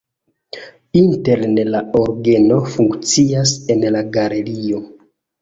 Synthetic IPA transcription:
inte̞lnelaoɾɡe̞no̞fuŋkt͡siase̞nlaɡale̞lio̞

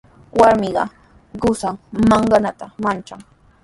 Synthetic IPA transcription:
waɾmɪɢɑ̰ | ɢʊsaŋmɑɴɢɑnat̪amant͡ʃaŋ

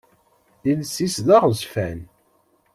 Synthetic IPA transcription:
ilsisðaʁzfæn

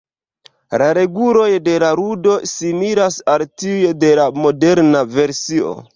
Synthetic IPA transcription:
laɾe̞ɡulo̞jde̞laɾudo̞simiɾasaltiujde̞lamo̞de̞ɾnave̞ɾsio̞̰

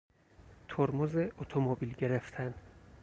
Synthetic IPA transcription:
t̪ʰoɾmozeʔot̪ʰomobilɟe̞ɾeft̪ʰæn

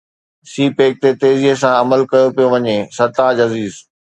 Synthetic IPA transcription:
siːpeːk̚t̪et̪eːziɦes̬ãɐməlkɐjopijoʋɐɲesɐɾt̪aːd͡ʑɐziːz

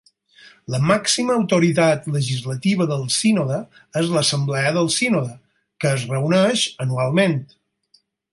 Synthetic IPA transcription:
ləmaksiməːwt̪uɾit̪at̪ləʒizlət̪iβ̞əðəlˠsinɔðə | ezləsəmblɛəðəlˠsinɔðə | kəːzrəunɛʃənualˠment̪

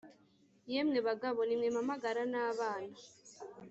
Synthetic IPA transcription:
jemŋeβaɡaβo̞nimŋemamaɡaɾanaːβaːna

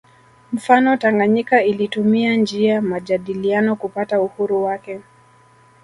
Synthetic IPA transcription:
m̩fanɔtaŋɡaɲikailitumiand͡ʒiamaʄaɗilianɔkupatauhuɾuwakɛ

